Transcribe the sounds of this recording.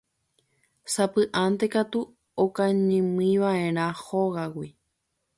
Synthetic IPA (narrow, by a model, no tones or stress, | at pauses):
sapɨʔant̪e̞kat̪u | okãɲẽmĩʋaʔẽ̞ɾ̃ãhoɣawi